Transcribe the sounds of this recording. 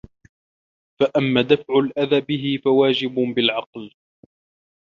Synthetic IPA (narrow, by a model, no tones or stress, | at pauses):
faʔamːaːd̪afʕʊlʔaðaːbɪɦɪfawaːd͡ʒɪbbɪlʕɑql